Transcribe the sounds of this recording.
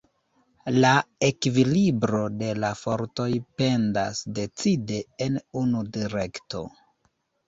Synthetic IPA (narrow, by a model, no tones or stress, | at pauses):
laekivilibɾo̞de̞lafo̞ɾto̞jpe̞ndasde̞t͡side̞ːnunudiɾe̞kto̞̰